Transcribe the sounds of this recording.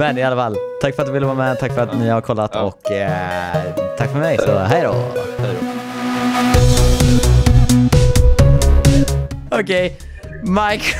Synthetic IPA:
mɛnɪalːafalːt̪ʰakːfœɾat̪d̪ɵvɪlːəvɑːɾmɛt̪ʰakːfœɾat̪nɪhaɾkʰɔlːat̪ɔ̰k | t̪ʰakːfœɾmɛjsɔɦɛjd̪ɔ̰h | ɔkʰɛj | maɪk

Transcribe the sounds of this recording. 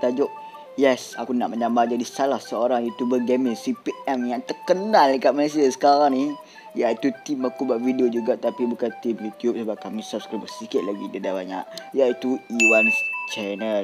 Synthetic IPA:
t̪ad͡ʒʊʔ̚ | jɛsakunaʔməɲambad͡ʒadisalahsəoɾaŋit̪ubəɡɛmɪŋsipiʔɛmjaŋt̪ərkənalkaʔ̪̚məles̬iasə̥kaɾaŋni | jait̪ut̪imakubaʔvidiod͡ʒuɡaʔt̪apibukant̪imjut̪ijup̚səbap̚kamisap̚skɾibəsikɪt̪̚laɡidədabaɲaʔjait̪uiwanst͡ʃɛnəl

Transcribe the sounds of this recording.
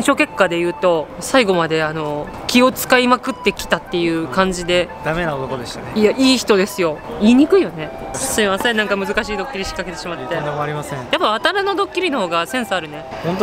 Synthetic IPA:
ẽɕo̞ːke̞kːad̪e̞jɯ̟ːt̪o̞saiɡo̞mad̪e̞ano̞ | kʲio̞t͡sɨ̥kaimakɯ̟t̪ːe̞kʲi̥t̪at̪ːe̞jɯ̟ːkãɲ̟d͡ʑid̪e̞d̪̥ame̞naot̪okod̪eɕt̪anejaʔiːçi̥t̪o̞d̪e̞sɨjo̞iːɲ̟ikɯ̟ijone̞ | siimasenãŋkamɯ̟zɨkaɕiːd̪o̞kʲːiɾʲiɕi̥kːake̞t̪e̞ɕimat̪ːed̪emoaɾʲimasẽjapːaat̪aɾano̞d̪o̞kʲːiɾʲino̞ho̞ːɡasẽ̞ɰ̃soaɾɯ̟ne | hõnt̪̬o

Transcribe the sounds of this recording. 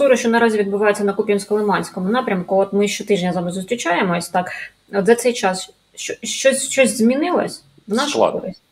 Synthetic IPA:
suɾʊʃt͡ʃɔnɐɾɑzʲiʋʲid̪̚bʊʋɑjʊt͡sʲːɐnɐkupʲinʲsʲkɔlˠemɑnʲsʲkɔmʊnɑpɾʲɐmkʊɔt̪mɪʃt͡ʃɔt̪ɪʒnʲɐzɑmɐzʊst̪ɾʲɪt͡ʃɑjemɔsʲt̪ɑk | ɔt̪zɐt̪sɛjt͡ʃɑs | ʃt͡ʃɔʃt͡ʃɔsʲʃt͡ʃɔsʲzmʲinɪlˠɐ̰sʲ | ʋnɑʃʊkkɔ̰ɾɪsʲtʲ

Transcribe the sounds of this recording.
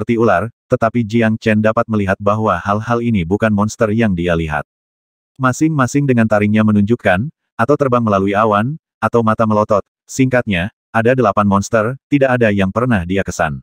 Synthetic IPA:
əpərt̪iulart̪ət̪apid͡ʒiaŋt͡ʃɛndapat̪̚məliɦat̪̚baɦwahalhalinibukanmɔnst̪ərjaŋdialiɦa̰t̪̚ | masɪŋmasɪŋdəŋant̪aɾɪŋɲamənuɲd͡ʒukan | at̪awt̪ərbaŋməlaluiawan | at̪awmat̪aməlɔt̪ɔt̪̚ | siŋkat̪̚ɲa | ʔadadəlapanmɔnst̪ərt̪idaʔːdajaŋpərnahdiakəsa̰n

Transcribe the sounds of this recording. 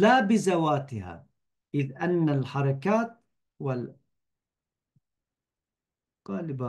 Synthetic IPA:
labɪzawaːt̪ɪha̰ | ʔɪðʔanːalħɑɾˤɑkaːt̪̚ | wal | ɣɑːlɪba

